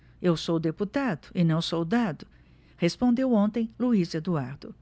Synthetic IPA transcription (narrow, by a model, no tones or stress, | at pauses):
ewsowd̪eput̪ad̪ʊɪnɐ̃w̃sowd̪ad̪ʊ | hespõnd̪ewõnt̪ẽj̃luizɐd̪uaɾd̪ʊ